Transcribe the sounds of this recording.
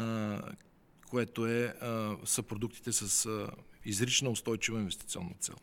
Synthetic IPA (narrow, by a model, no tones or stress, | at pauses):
kʰoɛt̪oɛ | səpɾod̪uk̚t̪i̥t̪ɛsəsizɾit͡ʃnəʊst̪ɔjt͡ʃivɐinvɛst̪i̥t̪siɔ̰nːət̪sɛ̰lˠ